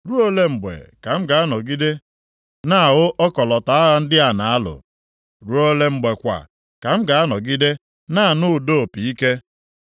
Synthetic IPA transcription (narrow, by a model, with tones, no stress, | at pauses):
ɾu˦o˦le˦ŋ͡m̩˨ɡ͡bḛ˨ka˨m̩˦ɡa˨a˦nɔ˨ɡi˦de˦ | na˦a˨ɣʊ˦ʔɔ˦kɔ˨lɔ˨ta˨˦a˦ɣa˨n̩˦dɪ˦a˨na˨a˦lʊ̰˨ | ɾu˦o˦le˦m̩˨ɡ͡be˨kʷa̰˨ | ka˨m̩˦ɡa˨a˦nɔ˨ɡi˦de˦ | na˦a˨nʊ˦˨do˦˨pi˨i˦ke˦